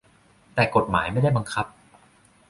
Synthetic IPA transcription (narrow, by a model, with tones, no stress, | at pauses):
t̪ɛː˨˩ko˨˩t̪̚maː˩˦jma˥˩jda˥˩jba˧ŋkʰa˦˥p̚